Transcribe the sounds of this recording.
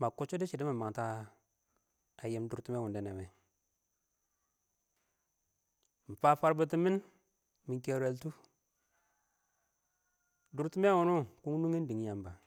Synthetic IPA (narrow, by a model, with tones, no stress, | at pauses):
ma˨ku˦t͡ʃo˦di˦t͡ʃi˨di˦ma˨ma˨ŋta˦ | a˨je˨˦mdu˨ɾti˦me˦˨u˨nde˦˨ne˨me˨ | m̩˨pa˦fa˦ɾbu˦t̬i˦mi˦n | mi˨ke˨ɾe˨ltu˦ | du˨ɾti˦me˦a˦wu˨nu˦ku˦ŋ˦nu˦ŋi˦ndi˨ŋ˦ja˨mba˨